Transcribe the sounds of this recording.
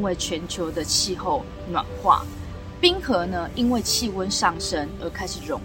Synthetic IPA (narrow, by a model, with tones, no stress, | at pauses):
we˥˩ɪt͡ɕʰɥɛ˨˦nt͡ɕʰjo˨˧˦ʊd̪ə˧t͡ɕʰi˥˧xo˥˩ʊ | nwa̰˨˩nxwa̰˥˩ | pi˥ŋxɤ˨˥˦nə˧ʔi˦˥nwe˥˨ɪt͡ɕʰi˥˨wə˦nʂɑ˥˩ŋʂə˥nə˨˥kʰa˥ɪʂɻ̩˨˩ɻʊ˧˦ŋ